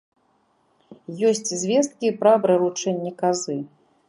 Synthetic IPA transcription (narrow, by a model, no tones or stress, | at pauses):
jɔsʲt͡sʲzʲvʲɛst̪̚kʲipɾabɾɛlˠut͡ʂɛnʲːɛkazɨ